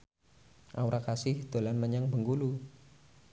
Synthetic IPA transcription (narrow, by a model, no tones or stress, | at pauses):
ʔa̰uɾakasɪhd̪̥o̤lanməɲaŋbəŋɡulu